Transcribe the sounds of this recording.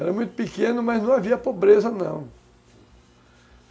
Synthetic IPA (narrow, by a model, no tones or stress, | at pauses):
ɛɾɐmũj̃t̪ʊ̥pikẽnʊmɐznɐ̃w̃aviɐpobɾezɐnɐ̰̃w̃